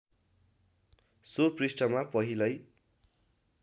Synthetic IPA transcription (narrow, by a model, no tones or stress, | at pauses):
soprisʈʌmapʌɦilʌj